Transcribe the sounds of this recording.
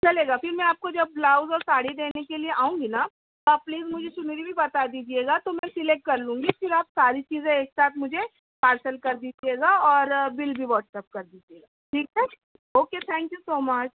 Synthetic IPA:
t͡ʃɐleːɡafɪɾmɛ̃aːp̚kod͡ʒɐb̚ːlaːʊzɔːɾsaːɽid̪eːnekelieʔaːũŋɡina | t̪oapliːzmʊd͡ʒʱeʃʊmiɾibʱibɐt̪ad̪iːd͡ʒieːɡat̪omɛ̃sɪlek̚ʈ̚kɐɾlũːŋɡifɪɾaːpsaːɾit͡ʃiːzẽeːksaːt̪ʰmʊd͡ʒʱe | paːɾsəlkɐɾd̪iːd͡ʒieːɡaɔːɾbɪlbʱiʋɔːʈsɛːp̚kɐɾd̪iːd͡ʒieːɡaʈʰiːk̚tɛ̃ | oːket̪ʰɛ̃ːŋkjusoːmɐt͡ʃ

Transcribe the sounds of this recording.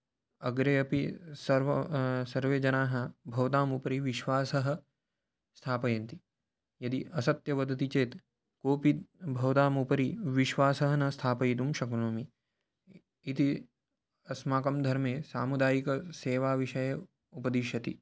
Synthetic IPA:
ɐɡɾeɐpisɐɾʋsɐɾʋeːd͡ʒɐnaːɦɐ̆bʱɐʋt̪aːmupɐɾiʋiʃʋaːsɐɦɐ̆ | st̪ʰaːpɐjɐnt̪i | jɐd̪iʔɐsɐt̪jɐʋɐd̪ʱɐt̪it͡ʃeːt̪ | koːpit̪̚bʱɐʋt̪aːmupɐɾiʋiʃʋaːsɐɦɐnɐst̪ʰaːpɐjit̪̬umʃɐknoːmi | t̪i | ɐsmaːkɐmd̪ʱɐɾmeːsaːmud̪aːjikɐseːʋaːʋiʃɐjɐ | upɐd̪iʃɐt̪ḭ

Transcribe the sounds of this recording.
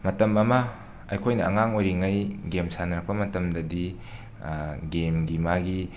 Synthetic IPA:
mɐtɐmɐmɐ | ɐjkʰojnɐɐŋaŋojɾiŋɐjɡemsanɐɾɐk̚pɐmɐtɐmdɐdi | ɡemɡimaɡi

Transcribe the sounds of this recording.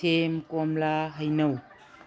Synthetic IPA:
emkɔmlaɦajnɐw

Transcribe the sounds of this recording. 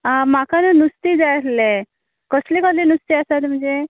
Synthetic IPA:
makanunust̪id͡zaʈle | kəslekəlinust̪iasat̪m̤əɳd͡ze

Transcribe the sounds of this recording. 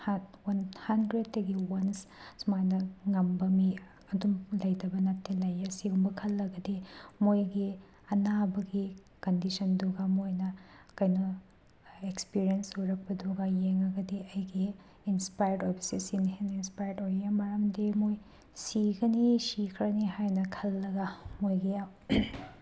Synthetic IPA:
hatwɐnhandɾed̚tɐɡiwɐnssmanɐŋɐmbɐmi | ɐdumlɐjdɐbɐnɐtːelɐjɐsiɡumbɐkʰɐlːɐɡɐdemojɡi | ɐnabɐɡi | kɐndisɐnduɡamojnɐkɐjno | ekspiɾijensojɾɐk̚pɐduɡajeŋɐɡɐdeɐjɡiː | nspajɐɾdojbɐsisinhenɐinspajɐɾdojamɐɾɐmdemoj | siɡɐnisikʰɾɐniɦajnɐkʰɐlːɐɡɐmojɡi

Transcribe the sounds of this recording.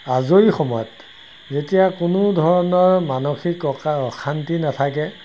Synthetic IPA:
azoixɔmɔjɔt | zetijakʊnʊdʱɔɹɔnɔɹmanoxikɔxʰantinatʰak̬ɛ

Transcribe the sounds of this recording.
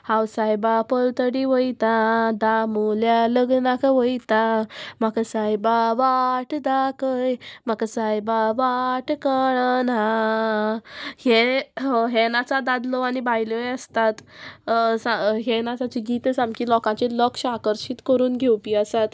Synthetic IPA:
hãwsajbapəlt̪əɽiʋəjt̪ad̪amuljaləɡnakʋəjt̪amakasajbaʋaʈd̪akəjmakasajbaʋaʈkəɭna | he | ɦenat͡sad̪ad̪lɔanibajləjəst̪at̪ | saɦenat͡sat͡ɕiɡit̪əsãmkilɔkãt͡ɕelɔkɕakəɾɕiːt̪kəɾuːnɡʱewpiːəsat̪

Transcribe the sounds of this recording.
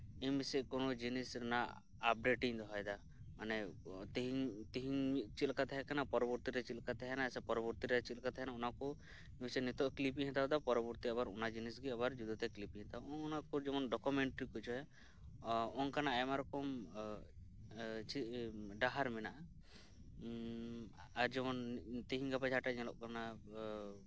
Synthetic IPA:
ɛmisɛkɔnɔd͡ʒinisɾɛnaː | p̚ɖeʈiɲd̪ɔɦɔjd̪a | manɛt̪iɦit̪iɦiɲt͡ʃilkat̪ɛɦɛkanapɔɾɔbɔɾt̪iɾɛt͡ʃilkat̪ɛɦɛnasɛpɔɾɔbɔɾt̪iɾɛt͡ʃilkat̪ɛɦɛnaunaku | nsɛnit̪ɔʔklip̬iɦɛ̃nt̪ad̪apɔɾɔbuɾt̪iabaɾunad͡ʒinisɡiabaɾd͡ʒud̪ɔt̪ɛklipiɦɛ̃t̪aɔŋunakud͡ʒɛmɔnɖɔkumeɳʈɾikut͡ʃʰɔɛ | ɔŋkanaɛmaɾɔkɔm | t͡ʃiɖaɦaɾmɛnaʔa | aɾd͡ʒɛmɔnt̪iɦiɲɡapad͡ʒʱaʈaɲɛlɔʔkana

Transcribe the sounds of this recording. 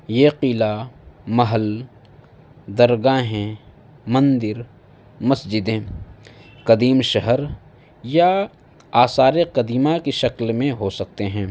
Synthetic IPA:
jeqiːlamɐɦəl | d̪ɐɾɡaːɦɛ̃ | mɐ̃nd̪ɪɾ | mɐsd͡ʒɪd̪ẽ | qɐd̪iːmʃɐɦəɾ | ja | aːsaːɾeqɐd̪iːmakiʃɐklmẽɦosɐk̚t̪eɦɛ̃ː

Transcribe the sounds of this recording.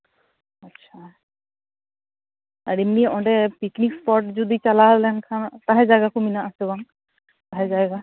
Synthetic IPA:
ɐtːʃʰa | aɾimiʔɔ̃ɖɛpiknikspɔʈzud̪it͡ʃalaɦɔllɛnkʰant̪aɦɛzajɡakuminaʔasɛbaŋ | t̪aɦɛzajɡa

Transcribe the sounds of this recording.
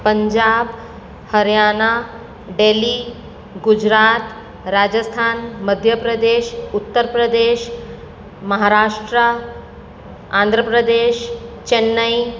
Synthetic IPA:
pəɲd͡ʑaːb | həɾjaːna | ɖeliː | ɡud͡ʑɾaːt̪ | ɾaːd͡ʑəst̪ʰaːnməd̪ʱjəpɾəd̪eːʃut̪ːəɾpɾəd̪eːʃ | məɦaɾaːʂʈɾə | ãnd̪ʱɾəpɾəd̪eːʃt͡ʃenːəj

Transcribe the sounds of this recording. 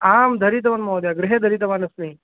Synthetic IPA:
aːmd̪ʱɐɾit̪̬ɐʋɐnmoːd̪jaɡɾɪɦed̪ʱɐɾit̪ɐʋaːnɐsmi

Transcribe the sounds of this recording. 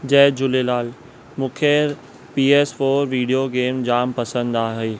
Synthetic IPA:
d͡ʑɛːd͡ʑʊlelaːl | mʊ̃kʰeɾ | piːeːsfoːɾʋiːɖijoɡeːmd͡ʑaːmpɐsə̃nd̪aːɦeː

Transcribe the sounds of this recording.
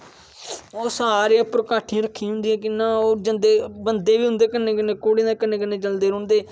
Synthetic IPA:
oːsaːɾeãːpʊɾkaːʈʰijãːɾəkʰːĩɦʊ̃nd̪ijãːk̬ɪnãːoːd͡ʒənd̪eːbənd̪eːʋiːɦʊ̃nd̪eːkənːẽːkəneːkoːɽẽːd̪aːkənːeːkənːeːd͡ʒəld̪eːɾʊɳd̪eː

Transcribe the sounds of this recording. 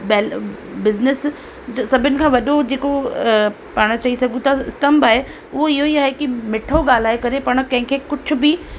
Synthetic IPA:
bɛːl | bɪznɪs | sɐbʱɪnɪ̆kʰãːʋɐɗod͡ʑeːko | paːɽ̃t͡ɕɐisɐɡʱũt̪ʰaɪst̪ɐmbaːɦe | ʊɦoɪɦoiaːɦekimɪʈʰoɡaːl̤aːekɐɾepaːɽ̃kɐ̃ɦɪ̃kʰeːkʊd͡ʑʰʊ̆bɪ

